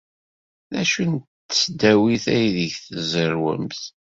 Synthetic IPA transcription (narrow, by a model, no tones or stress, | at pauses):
ðæʃuntː | ə̥t͡sːd̪æwiθæjðəʝθəzəɾwə̰mθ